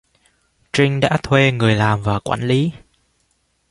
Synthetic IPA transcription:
t͡ɕï˧ŋ̟ɗa̰ː˧˥t̪ʰwe˧ŋɨ˨˩əjlaː˨˩mvaː˨˩kwaː˧˩nli˨˦

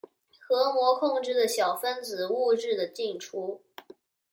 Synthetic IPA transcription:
xɤ˧˥mwɔ˧˥kʰʊ˥˧ŋʈ͡ʂɻ̩˥˩d̪ə˩ɕjɑ˨˩ʊfə˥nt͡sɹ̩˨˩u˥˧ʈ͡ʂɻ̩˥˩d̪ə˩t͡ɕi˥˩ŋʈ͡ʂʰu˥

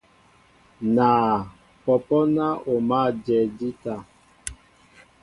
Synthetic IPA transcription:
na˨ | pɔ˨pɔ˦na˦ʔo˨ma˦˨d͡ʒɛ˨di˦ta˨

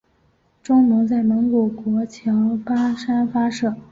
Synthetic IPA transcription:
ʈ͡ʂʊ˥ŋmə˧˥ŋt͡sa˥˩ɪmə˧˥nkwɔ˨˩kwɔ˧˥t͡ɕʰjɑ˧˥ʊpa˥ʂa˥nfa˥ʂɤ˥˩

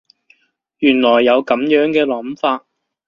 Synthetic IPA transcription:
jyː˨˩nlɔː˨˩jːɐ˨˧wkɐ˨˥mjœː˨˥ŋkɛː˧lɐ˨˥mfaː˧t̚

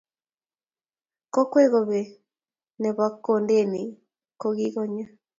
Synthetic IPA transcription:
kɔ˦kwe˦ɣo˨βe˨ | ne˨βa˦ko˨nde˦ni˨ | ko˧ɣi˦ɣɔ˦ɲa˦

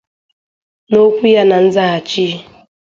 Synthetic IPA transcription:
no˦kʷu˦ja˦na˨n̩˦za˦a˨t͡ʃiː˦

